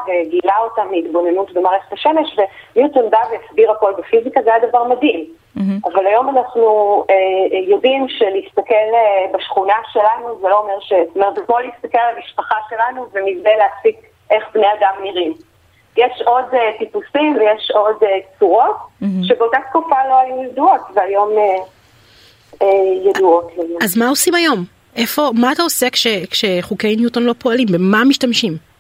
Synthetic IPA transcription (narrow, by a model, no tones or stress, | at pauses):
veɡilao̞tammiitbo̞ne̞nutbemaːʁeχetaʃe̞me̞ʃve̞njutondavejasbiʁako̞lbefizikazejad̪avaʁmadim | avalajo̞manaχnuejo̞dimʃeliist̪ake̞lbaʃχunaʃe̞lanuzelo̞omeʁʃest̪omet̪zekmolist̪akelalamiʃpaχaʃe̞lanuvenivneleasik | ʔeχbneadamniʁim | jeʃodtipusimvejeʃodet͡suʁo̞t̚ʃekolkaχt̪̚kufalo̞ajujeduo̞tveajo̞me | ejeduo̞tlajuazmaosimajo̞m | ʔe̞fo̞maːt̪aose̞kʃekʃeχukejnjutonlo̞poalimbemamiʃtamʃim